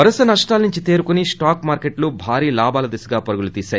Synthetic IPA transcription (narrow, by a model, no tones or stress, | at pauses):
ɐɾɐsɐnɐʂʈaːlnuɲt͡ʃit̪e̞ːɾukunisʈaːkmaːɾkeʈlubʱaːɾiːlaːbaːlɐd̪ɐsɐɡaːpɐɾuɡulut̪iːsaːj